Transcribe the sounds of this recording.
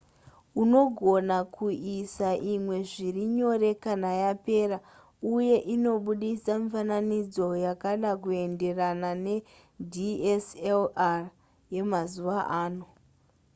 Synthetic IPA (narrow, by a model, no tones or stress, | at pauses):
uno̞ɡʱo̞nakʰuʔisaʔimwe̞ʐiriɲo̞ɾe̞kanajape̞ːɾa | uje̞ʔino̞ɓuɗisaɱifananid͡zo̞jakaɗak̬ue̞nde̞ranane̞ | dʱieslar | je̞mazuʋaʔaːno̞